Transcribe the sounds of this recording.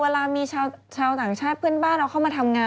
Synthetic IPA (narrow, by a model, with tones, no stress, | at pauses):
eː˧laː˧miː˧t͡ɕʰaː˧wt͡ɕʰaː˧wt̪aː˨˩ŋt͡ɕʰaː˥˩t̪̚pʰɯ˥˩ənbaː˥˩nɾa˧˥wʰa˥˩wmaː˧t̪ʰa˧mŋaː˧